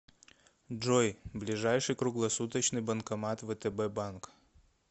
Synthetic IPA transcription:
d͡ʐojblʲɪʐajʂɨjkɾʊɡlˠɐsut̪ət͡ɕnɨjbɐnkɐmat̪vɛt̪ɛbɛbank

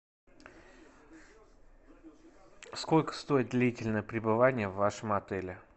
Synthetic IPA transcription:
sko̞lʲkə̥st̪o̞jɪt̪̚d̪lʲitʲɪlʲnəjəpɾʲɪbɨvanʲɪjəvːaʂəmɐt̪ɛlʲɪ

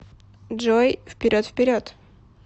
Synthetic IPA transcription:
ʐojfpʲɪɾʲʔot̪fpʲɪɾʲo̞t̪

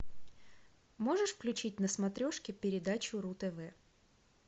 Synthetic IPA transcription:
mo̞ʐɨʂfklʲʉt͡ɕit̚ʲnəsmɐt̪ɾʲo̞ʂkʲɪpʲɪɾʲɪd̪at͡ɕʊɾut̪ɛvɛ

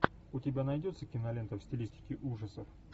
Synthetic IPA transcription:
ʊtʲɪbʲanɐjdʲo̞t̪səkʲɪnɐlʲent̪əfsʲtʲɪlʲisʲtʲɪ̥kʲɪʔuʐəsəf

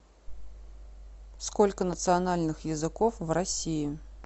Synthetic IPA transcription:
skolʲkənət̪sɨɐnalʲnɨxjɪzɨkofvrɐsʲijɪ

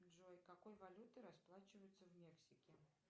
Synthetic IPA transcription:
ʐojkɐkojvɐlʲut̪ɨɾɐsplˠat͡ɕɪvəjʊt̪səvmʲeksʲɪkʲɪ

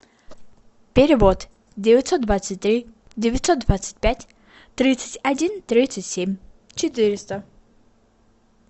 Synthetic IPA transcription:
pʲeɾʲɪvot̪ | dʲevʲɪt̪ʲsɔt̪d̪vat̪sɨt̚ʲt̪ɾʲi | dʲevʲɪt̪ʲsot̪̚d̪vat̪sɨ̥t̚ʲpʲætʲ | t̪ɾʲit̪sɨ̥tʲɐdʲint̪ɾʲit̪sɨtʲsʲemʲ | t͡ɕɪt̪ɨɾʲɪst̪ə

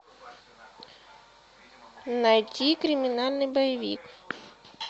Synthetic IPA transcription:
nɐjtʲikɾʲɪmʲinalʲnɨjbɐjɪʋʲḭk

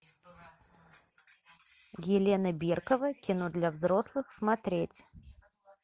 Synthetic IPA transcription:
jʲɪlʲe̞nəbʲirkəvəkʲɪnod̪lʲɐvzɾo̞slˠɨxsmɐt̪ɾʲetʲ

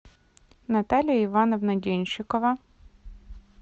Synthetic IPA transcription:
nɐt̪ɑlʲijɐiʋɑnɐʋnɐdʲinʲʃɪkɔʋɐ

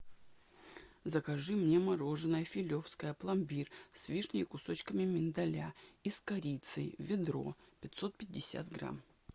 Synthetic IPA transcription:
zəkɐʐɨmnʲemɐɾo̞ʐɨnəjəfʲɪlʲo̞fskəjəplˠɐmʲbʲirsʲvʲiʂnʲɪɪkʊso̞t͡ɕkəmʲɪmʲɪnd̪ɐlʲaiskɐɾʲit̪sɨjvʲɪd̪ɾo̞̰pʲɪt̪so̞t̪̚pʲɪd̚ʲːɪsʲa̰t̪ɡɾa̰m

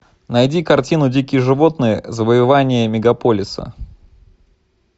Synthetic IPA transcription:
nɐjdʲikɐrtʲinʊdʲikʲɪjəʐɨvo̞t̪nɨjəzəvəjɪvanʲɪjəmʲɪɡɐpolʲɪsə̰

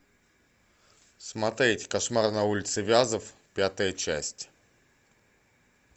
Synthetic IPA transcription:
smɐt̪ɾʲetʲkɐʂmarnɐulʲɪt̪sɨvʲazəfpʲat̪əjət͡ɕæ̰sʲtʲ

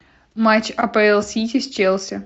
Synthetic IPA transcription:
mat͡ɕɐpaɪlˠsʲitʲɪsʲt͡ɕelˠsʲɪ

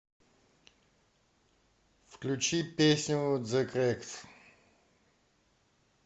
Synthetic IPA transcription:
fklʲut͡ʃipɛsnʲuot̪zəkɾɛkt̪

